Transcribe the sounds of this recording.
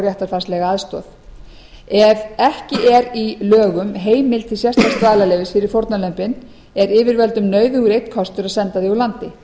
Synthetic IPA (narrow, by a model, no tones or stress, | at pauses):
ɾjaht̪aɾfarst̪lɛɣaaðst̪ɔːθ | ɛvɛhcɪʔɛɾilœːɣʏmɦeːjmɪlt̪ʰɪlsjɛst̪ast̪vaːðlalɛːvɪsfɪɾɪɾ̥foɾt̪nalœmpɪn | ɛɾɪːvɪɾvɛlt̪ʏmnœːɥðʏuɾejt̪kʰɔst̪ʏɾaðsɛnt̪aðiulant̪ɪ